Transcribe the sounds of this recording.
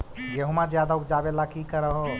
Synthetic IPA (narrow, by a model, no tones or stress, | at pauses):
jeɦumad͡ʒjad̪aukd͡ʒabelakikəɾəɦo